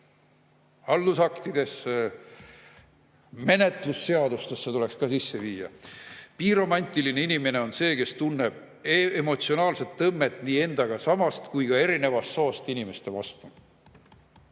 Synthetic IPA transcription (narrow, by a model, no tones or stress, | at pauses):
ɑlːusɑkt̪id̪̥e̞s | me̞ne̞t̪ˑlusːe̞ɑd̪ust̪esːet̪ule̞kskɑsisːe̞viːjɑ̰piːɾo̞mɑnʲt̪ʲˑiline̞inime̞ne̞o̞nse̞ːke̞st̪unːe̞b̥̚ | eemo̞t̪sio̞nɑːlse̞t̪ːɤmːe̞t̪ːˑniːe̞nd̪̥ɑɡ̥ɑsɑmɑst̪kujkɑe̞ɾine̞vɑst̪soːst̪inime̞st̪e̞vɑ̰st̪u